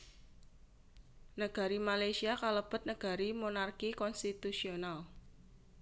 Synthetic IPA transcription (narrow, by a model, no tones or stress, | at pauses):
nəɡ̥a̤ɾimalajsiakaləb̥ə̤t̪̚nəɡ̥a̤ɾimonarkikɔnst̪it̪usional